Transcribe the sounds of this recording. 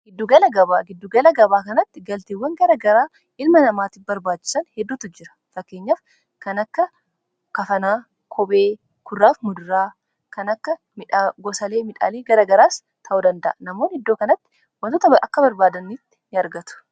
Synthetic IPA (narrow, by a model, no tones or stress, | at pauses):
ɡ̥ɪd̪ːuɡɐlɐɡɐbaːɡɪd̪ːuɡɐlɐɡɐbaːkɐnɐt̪ːɪɡɐlt̪iːwːɐŋɡɐɾɐɡɐɾaː | ʔɪlmɐnɐmaːt̪ɪfbɐɾbaːt͡ʃːɪ̥sɐnhɛd̪ːuːt̪ʊd͡ʒɪɾɐ̥fɐkːe̞ːɲːaːf | kɐnɐkːɐ | kɐfɐnaː | kʰɔbeː | kʊrːaːfmʊd̪ʊɾaː | kɐnɐkːɐ | mɪᶑaɡɔsɐle̞ːmɪᶑa̰ːleːɡɐɾɐɡɐɾaːs | t̪ʰɐʔʊd̪ɐnd̪ɐ̰ʔɐnɐmoːnhɪd̪ːoːkɐnɐt̪ːɪ̥ | wɔnt̪ot̪ɐʔɐkːɐbɐɾbaːd̪ɐnːit̪ːɪ̥nɪɐɾɡɐt̪ʊ̥